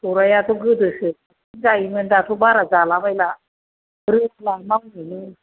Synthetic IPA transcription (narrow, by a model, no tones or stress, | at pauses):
tɔɾajat̪ɔɡɯdɯsɯ | inzaimɯndatʰɔbaɾazalabajla | ɾɯlamawnɯnɯ